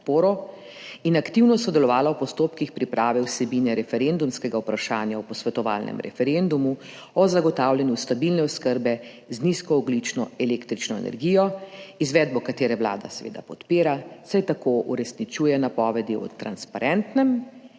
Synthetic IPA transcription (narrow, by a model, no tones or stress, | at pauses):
t̪poːɾɔ | inakt̪iwnɔsɔd̪ɛlɔʋaːlawpɔst̪oːpkixpɾipɾaːʋɛwsɛbinɛɾɛfɛɾend̪umskɛɡaupɾaʃaːnjaɔpɔsʋɛt̪ɔʋa̰ːlnʔɛ̰mɾɛ̰fɛɾend̪umu | ɔzaɡɔt̪aːwljɛnjust̪abilnɛɔskəɾbɛ | zniskɔːɡlit͡ʃnɔɛleːkt̪ɾit͡ʃnɔɛ̰nɛ̰ɾɡijɔizʋɛd̪̚bɔkat̪eːɾɛwla̰ːd̪a̰sɛʋḛːd̪a̰pɔt̪piːɾasajt̪akoʔuɾɛsnit͡ʃuːjɛnapɔʋɛd̪iɔ̰t̪ɾa̰nspaɾɛnt̪nɛm